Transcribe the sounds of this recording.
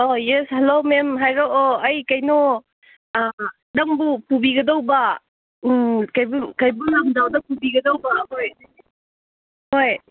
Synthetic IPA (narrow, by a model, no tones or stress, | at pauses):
ojeshelomemɦajɾoʔoɐjkajnɔ | daŋbupubiɡɐdawba | kajbukajbulaŋdawdɐpubiɡɐdawbaɦoj | hoj